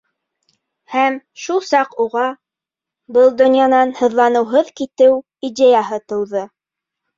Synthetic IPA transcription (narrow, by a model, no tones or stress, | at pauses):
hæmʃulˠsɑquʁɑ | bɤlˠd̪ŏnjɑnɑnhɤ̆ðlˠɑnɤ̆wɦɤðkit̪ɘw | id̪ʲejɑɦɤt̪ɤ̆wðɤ